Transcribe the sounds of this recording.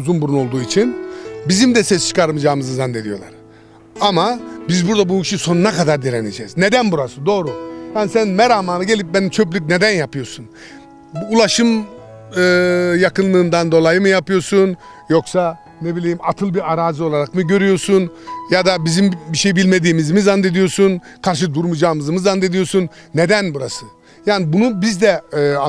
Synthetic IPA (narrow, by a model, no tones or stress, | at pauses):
uzunbununo̞lˠd̪uːit͡ʃʰinbizimd̪ɛsɛst͡ʃʰɯ̥kʰaɾmɯd͡ʒaːɯmɯzɯzand̪ed̪ijo̞lˠa̰ɾ̥ | amabizbuɾd̪abuiʃiso̞nunakad̪aɾd̪iɾened͡ʒɛːzned̪ænbuɾasɯnd̪o̞ːɾujansænmɛɾamaːnaɟe̞lʲip̚benimt͡ʃʰøp̬lʲyc̬ned̪ænjapɯjo̞ɾsun | ulˠaʃɯm | ɯːjakɯnlˠɯːnd̪and̪o̞lˠajɯmɯjapɯjo̞sun | jo̞ksa | nebilʲijimat̪ʰɯlˠbiaɾaːzɯo̞lˠaɾakmɯɟø̞ɾyjo̞ɾsunjad̪abizimbiʃejbilʲme̞d̪iːmizmizand̪e̞d̪ijo̞sunkʰaɾʃ̬ɯd̪uɾmud͡ʒaːɯmɯzɯmɯzand̪ed̪ijo̞ɾsunːed̪ænbuɾasɯ | jaːnibunubizd̪ɛa